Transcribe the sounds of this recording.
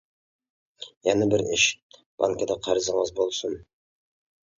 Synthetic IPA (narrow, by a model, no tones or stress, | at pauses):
jɑnəbɪɾɪʃ | b̥a̰ŋkəd̪ɑqʰɑɾzəɴəzbolˠsən